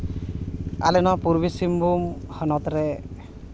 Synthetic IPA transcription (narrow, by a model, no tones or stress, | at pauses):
a̰lɛnɔpuɾbisimbumhɔnɔt̪ɾe